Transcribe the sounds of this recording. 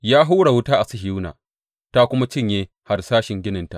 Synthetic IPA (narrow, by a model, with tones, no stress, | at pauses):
jaː˦ɦu˦ɽa˨wʊ˦taː˦ʔa˨sɪ˦ɦi˨uː˦na̰ː˨ | ta˦kʷʊ˦ma˦t͡ʃɪ˦˨ɲjeː˦ | ha˨rsaː˦ʃɪ˨ŋɡʲɪ˦nɪ˨nta˦ʔ